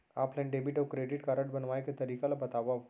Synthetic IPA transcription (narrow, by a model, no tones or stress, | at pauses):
a̰plə̃ɳɖebiʈɔʋkɾeɖiʈkaɾəʈ̚bənʋajket̪əɾikalabət̪aʋaʋ